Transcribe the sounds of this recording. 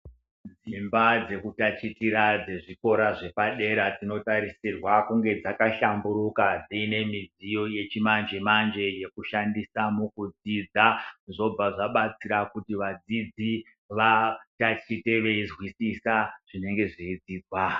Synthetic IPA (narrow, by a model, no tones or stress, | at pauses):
d͡zimbad͡ze̞kutat͡ʃitiɾad͡ze̞ʐiko̞ɾaʐe̞paɗe̞ɾad͡zino̞taɾisirwakuŋɡe̞d͡zakaʃambuɾukad͡ziːne̞mid͡zijo̞je̞t͡ʃimand͡ʒe̞mand͡ʒe̞je̞kuʃandisamukud͡zid͡zaʐo̞bb͡vaʐaɓat͡siɾakutiʋad͡zid͡zi | ʋatat͡ʃite̞ʋeizwisisaʐ̥ine̞ŋɡe̞ʐiid͡ziːd͡zwa